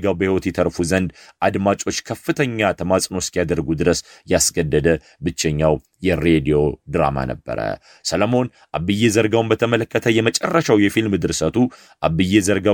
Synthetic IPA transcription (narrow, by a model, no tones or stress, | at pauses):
ɡawbəhiwɔt̪jɛt̪ʰəɾfuzənd̪ʔad̪mat͡ʃʼo̞t͡ʃːkʰəfːɨt̪ʰəɲːat̪ʰəmasʼno̞skjad̪əɾɡud̪ɨɾəsjasɡəd̪ːəd̪ə | bɨt͡ʃːɛɲːaw | jɛɾed̪io̞d̪ɾa̰ma̰nə̰bːə̰ɾə̰ | sələmo̞n | ʔaβːɨjːezəɾɡawnbət̪ʰəmələkːət̪ʰəjɛmət͡ʃʼɛrːəʃawjɛfilmd̪ɨɾsət̪ʰu | ʔaβɨjːezəɾɡa